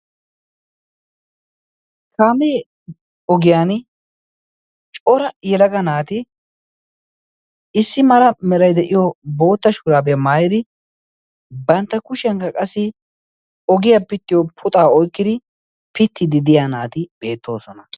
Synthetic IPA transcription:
kaːmeː | ɔɡɪjaːn | t͡ʃʼɔɾɐjɛlɐɡɐnaːt̪ɪ | ɪsːɪmɐɾɐmɛɾɐjd̪ɛʔɪjobo̞ːt̪ːɐʃʊɾaːbɛjɐmaːjɪd̪ɪ | bɐnt̪ːɐkʊʃɛŋkɐkʼɐsːɪ | ɔɡɪjapɪt̪ːɪjɔpʰʊt̪ʼaːɔjkːɪd̪ɪ | pɪt̪ːɪd̪ɪd̪ɪjaːnaːt̪ɪb̥e̞ːt̪ːo̞ːsɔnɐ

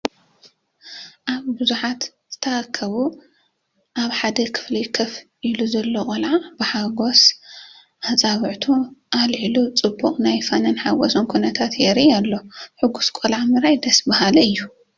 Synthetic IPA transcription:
ʔaβbɨzuħat̪ | z̥ɨt̪ʰɐɾakʰːɐβu | ʔaβħad̪ɐkʰɨ̥flijkʰɐfʔiluzɐlːokʼolʕab̥ɨħaɡo̞s | ʔat͡sʼaβɨʕt̪ʰuʔalʕilut͡sʼɨbːuqʼnajfɐnɐnħaɡosonkʰunɐt̪ʰat̪jɛɾialːo̞ħɨɡuskʼolʕamɨɾajd̪ɐsbahalɐɨjːu

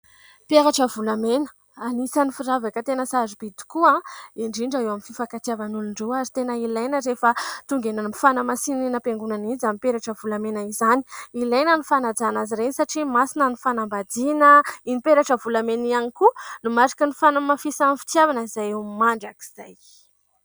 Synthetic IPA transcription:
pjaɾaʈ͡ʂəvulamenə̥ | anisanifiɾavakət̪enəsazib̥id̪i̥kuãiɳɖ͡ʐiɳɖ͡ʐaewamififakat̪iavanuluɳɖ͡ʐoaɾit̪enəilajnəɾefat̪uŋɡenanifanamasininəpeŋɡunanid͡zamipeɾaʈ͡ʂəvulamenaizani̥ilajnənufanad͡zanaziɾenisaʈ͡ʂimasinanifanambad̪inəinipeɾaʈ͡ʂəvulamenianikunumaɾi̥kənifanamafisanifi̥t̪javanizajewmaɳɖ͡ʐaki̥z̥aj

